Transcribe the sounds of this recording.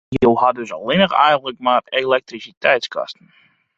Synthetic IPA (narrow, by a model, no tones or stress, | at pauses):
jəlˠɦadøsɔ̰lˠɪnəχɛ̰jɣən̩tləkmaːrelɛk̚trisitɛjtskɑ̰stən̩